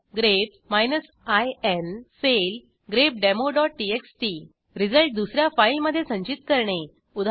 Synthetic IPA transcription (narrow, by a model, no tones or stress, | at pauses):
ɡɾep̚ | majnəs | ajensel | ɡɾep̚ɖemoɖɔʈːieksʈi | ɾid͡zəɭʈ̚d̪usɾjafajlməd̪ʱːjesə̃ɲt͡ɕit̪̚kəɾɳe | ud̪ʱ